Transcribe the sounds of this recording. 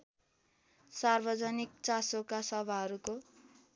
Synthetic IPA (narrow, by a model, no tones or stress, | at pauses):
sarbʌd͡zʌnik̚t͡sasokasʌbʱaɦʌɾuko